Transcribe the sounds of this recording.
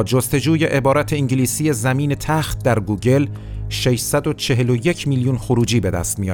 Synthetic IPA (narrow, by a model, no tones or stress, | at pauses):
d͡ʒost̪e̞d͡ʒuːje̞ʔebɒːɾæt̪ʰe̞iɲɟiliːsiːjezæmiːne̞t̪ʰæxt̪̚d̪æɾɡuːɟe̞l | ʃe̞ʃsæd̪o̞t͡ʃʰe̞ɦe̞loje̞cʰmiljuːnxoɾuːd͡ʒiːbe̞d̪æ̰st̪̚mijɒ